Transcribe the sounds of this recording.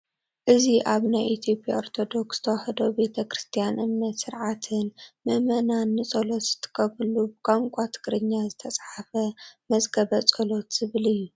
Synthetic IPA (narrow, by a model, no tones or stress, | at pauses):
ʔɨziʔaβnajʔit̪ʰjo̞pʼja̰oɾt̪ʰo̞d̪o̞ksz̥ɨ̥t̪ʰɐwaħɐd̪obe̞t̪ʰɐkɾɨst̪ʰijanʔɨmnːɐt̪sɨɾʕat̪ʰɨnmɐmɐnanːɨsʼolot̪z̥ɨ̥t̪ʰːɨ̥kʰɐβɨlubɨkʼaŋkʷʼat̪ʰɨ̥kɾɨɲːazɨt̪ʰɐt͡sʼħafɐmɐzɡɐβɐt͡sʼolo̞t̪z̥ɨβɨlɨjːu